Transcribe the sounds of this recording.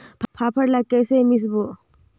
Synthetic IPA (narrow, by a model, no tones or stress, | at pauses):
pʰpʰapʰəɾlakesemis̬bo